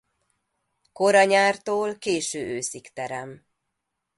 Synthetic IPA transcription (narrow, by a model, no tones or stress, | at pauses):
ko̞ɾɒɲaːrt̪oːlkeːʃøːʔøːsikt̪ɛɾɛm